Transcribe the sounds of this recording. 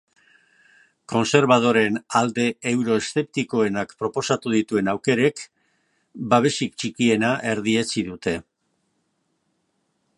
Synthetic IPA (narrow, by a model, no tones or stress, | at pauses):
ko̞nse̞ɾβað̞o̞ɾe̞nald̪e̞ːwɾo̞est̪e̞p̚t̪iko̞e̞nakpɾo̞po̞sat̪uð̞it̪ue̞nawke̞ɾe̞k | baβ̞e̞sikt͡ʃikie̞naʔe̞ɾðie̞t͡siðut̪e̞